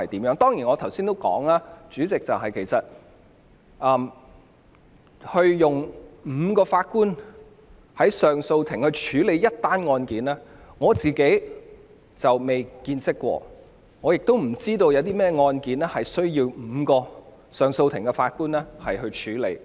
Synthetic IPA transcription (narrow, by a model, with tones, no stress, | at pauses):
ɐ˨jt̪iː˨˥mjœː˨˥ŋt̪ɔː˥ŋjiː˨˩nŋɔ˨˧t̪ʰwsiː˥nt̪o˥wkɔ̰ː˨˥ŋaː˥t͡syː˨˥t͡sɪ˨k̚t͡sɐ˨wɦɐ˨jkʰe˨˩jsɐ˨t̚ | ʔɐː˨m | hɵ˧ɥjʊ˨ŋm̩ː˨˧kɔː˧faː˧t̚kuː˥n | hɐ˨˥jsœː˨˩ŋso˧wt̪ʰɪ˨˩ŋhɵ˧ɥt͡ʃʰyː˨˥le˨˧jɐ˥t̚t̪aː˥nŋɔː˧nkiː˨˥nɛː˥ŋɔː˨˧t͡siː˨ke˨˥j | t͡sɐ˨wme˨jkiː˧nsɪ˥kːʷɔ̰ː˧ | ŋɔː˨˧jɪ˨k̚t̪o˥wm̩˨˩t͡siː˥t̪o˧wjɐ˨˧wt̪iː˥mɛː˥ŋɔː˧nkiː˨˥nɛː˥hɐ˨jsɵ˥ɥjiː˧wm̩˨˧kɔː˧ | sœː˨˩ŋso˧wt̪ʰɪ˨˩ŋkɛ˧faː˧t̚kuː˥nlɛː˥hɐ˨jɦɵ˧ɥt͡ʃʰyː˨˥le˨˧˥j